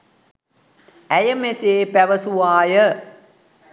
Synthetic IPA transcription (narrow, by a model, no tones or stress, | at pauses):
æjəmeseːpæʋəsuʋaːjə